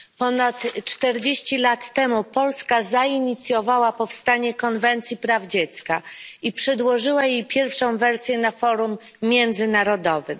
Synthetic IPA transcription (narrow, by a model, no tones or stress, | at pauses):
pɔnat̪t͡ʂt̪ɛɾd͡ʑeɕt͡ɕilat̪ːɛmupɔlskazaiɲit̪sʲjɔvawapɔfst̪aɲɛkɔnvɛnt̪sʲjipɾavd͡ʑet̪skaipʂɛd̪wɔʐɘwajejpʲjɛɾfʂɔ̃w̃vɛɾsʲjɛnafɔɾumːʲ | jɛnd̪zɘnaɾɔd̪ɔvɘ